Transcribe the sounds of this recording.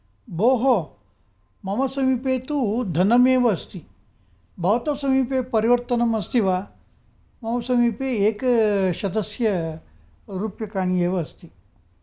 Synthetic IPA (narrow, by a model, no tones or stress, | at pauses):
boːɦo | mɐmɐsɐmipeːt̪ud̪ʱɐnɐmeːʋɐːst̪i | bʱɐʋt̪ɐsɐmiːpepɐɾiʋɐɾt̪ɐnɐmɐst̪iʋaː | mɐmɐsɐmiːpeeːkʃɐd̪ɐsjɐ | ɾuːpjɐkaːɳ̃ijeːʋɐːst̪i